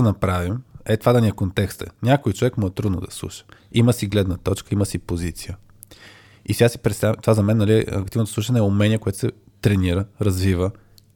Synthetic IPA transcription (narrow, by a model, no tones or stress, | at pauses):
nɐpɾavimɛt̪vad̪ɐniɛkont̪ɛkst̪ɛ̰nʲakojt͡ʃovɛkmɔɛt̪ɾud̪noʊ̰d̪ɐslˠṵʃə̥iməsiɡlɛd̪nət̪ɔt͡ʃkəiməsipozit̪sijə | isɛɡasi̥pɾɛt̪st̪avɛmt̪ovazɐmɛnːɐliɛɐ̰k̚t̪ivnot̪osˠuʃ̬ənɛɛʊmɛnʲiəkoɛt̪ʊ̥sɛ | t̪ɾɛniɾəɾɐzvivə